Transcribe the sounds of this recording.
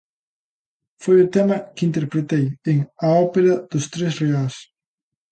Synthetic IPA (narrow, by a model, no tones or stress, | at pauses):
fojʊt̪ɛmɐkɪint̪eɾpɾet̪ejeŋɐɔpeɾɐð̥ʊst̪ɾesreas